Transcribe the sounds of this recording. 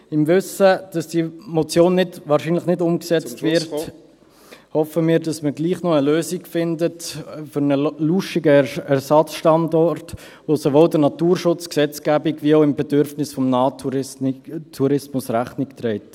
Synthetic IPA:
ɪmvʏsəd̥ɑsd̥iːmɔt͡sjoːnːɪdvɑːɾʃiːnləχnɪdʊmksɛt͡stvɪɾt | hɔfəmiːɾdɑsməɡliːχnɔəløːziɡfɪndətfʏɾnəluʃiɡəɛɾsɑt͡sʃtɑndɔɾt | vosovoːldənɑtuːɾʃʊt͡sksɛt͡sɡ̥æːbiɡviaʊɪmbɛdʏɾfnɪsfɔmnaːtʰuɪtʰuɾɪsmʊsræχnɪktɾɛɪt

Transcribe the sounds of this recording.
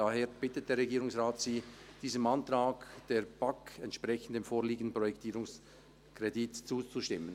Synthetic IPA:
aheːɾb̥ɪtət̚d̥eːɐɾʁeɡiːɾʊŋsʁaːtsiːd̥iːzəmantʁaːkd̥eːɾb̥akɛntʃpʁɛçən̩deːmfoːliːɡənd̩pʁɔjɛktiːɾʊŋs | kʁ̥editt͡suːt͡suʃtɪmən

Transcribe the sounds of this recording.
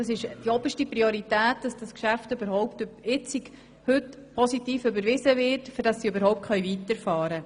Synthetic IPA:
d̥ɑsɪʃd̥iɔbəʃtipɾioɾitæːt̚d̥ɑsd̥ɑskʃæftøbəɾɦɔʊptɪt͡sik | hʏt | pʰɔsitiːfʏbəɾʋɪzəvɪɾtfʏɾdɑsːiøbəɾhɔʊptχœjvitəɾfɑːɾə

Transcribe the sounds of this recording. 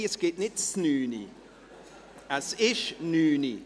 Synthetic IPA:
əsɡ̥eːtnɪtsnyːnḭ | əsɪʃnyːnḭ

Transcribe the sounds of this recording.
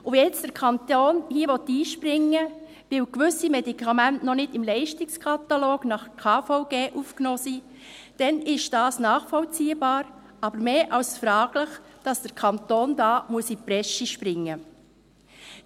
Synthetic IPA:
ʊʋiɛt͡sd̥əɾkʰɑnt̪oːnhiːəʋɔt̪ːiːʃprɪŋːə | ʋɪwkʋʏsimɛdikʰɑmæntnɔnɪdɪmlɛɪʃtɪkskʰɑt̪ɑloːɡ̥nɑχkʰɑːfɔʊɡ̥eːʔuːfknoːsiː | d̥ɛnɪʃd̥ɑːsnɑːχfɔlt͡siːəbɑːɾ | ɑbəɾmeːʔɑwsfɾɑːɡ̥ləχd̥ɑsd̥əɾkʰɑnt̪oːndɑːmuəsipɾɛʃiʃpɾɪŋːə

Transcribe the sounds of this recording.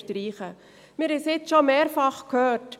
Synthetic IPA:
tɾiːχə | mɪɾhɛsɪt͡sʃomeːɾfɑχkʰøːt

